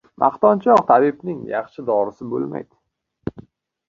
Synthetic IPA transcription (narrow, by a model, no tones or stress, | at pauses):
mʔa̰χt̪ɒnt͡ʃʰɒqt̪ʰabɪpnɪŋjɑχʃɪd̪ɒɾɪsɪbo̰lˠma̰jd̪̥